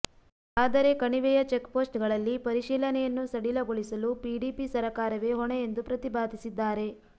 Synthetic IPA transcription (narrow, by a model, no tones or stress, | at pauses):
aːd̪ɐɾe̞kɐɳiʋɛjɐt͡ʃe̞kpo̞ːsʈɡɐɭɐlːipɐɾiʂiːlɐnɛjɐnːusɐɽilɐɡoɭisɐlupiɖiːpisɐɾɐkaːɾɐʋe̞ɦɔɳejend̪upɾɐt̪ibaːd̪ʱisid̪ːaːɾe̞